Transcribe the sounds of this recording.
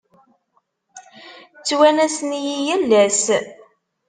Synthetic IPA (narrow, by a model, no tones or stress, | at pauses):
t͡sːwænæsnijijælːæs